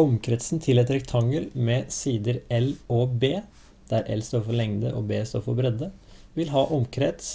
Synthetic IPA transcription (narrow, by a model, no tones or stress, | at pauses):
ɔmkʰɾɛt̪sn̩t̪ʰɪlɛt̪ɾɛkt̪ʰɑŋːəɾmɛsiːd̪əɾɛloːbeː | d̪̥æɾɛ̰lst̪oːɾfɔɭɛŋd̪əʔo̰ːbeːst̪oːɾfɔɾbɾɛd̪ə | ʋɪlɦɑːʔɔmkʰɾɛt̪s